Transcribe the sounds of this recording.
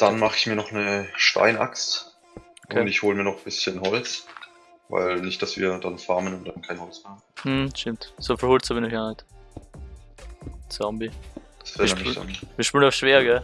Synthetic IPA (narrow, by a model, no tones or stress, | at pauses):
d̥anmaχɪçmiːɐnɔχnəʃta̰ɪnʔa̰kst | oʔkʰʊeːntɪçhoːləmiːɐnɔχb̥ɪsçənɦɔlt͡s | va̰ɪlnɪçt̚d̥asv̥ḭːɐdanfaɐmənʊntd̥ankʰaɪnhɔlt͡smeːɐm̩h̩ʃtɪmtsoːfilhʊltsabɪnɪçɡaːnɛt | zɔmbid̥ḁsv̥ɛːnḁa̰nviːɐʃpylnaʊʃv̥eːɐɡɛ